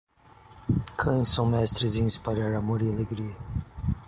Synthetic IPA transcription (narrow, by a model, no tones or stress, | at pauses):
kʰɐ̃j̃sɐ̃w̃mɛst̪ɾɪzĩĩspaʎaɾamoɾialeɡɾiɐ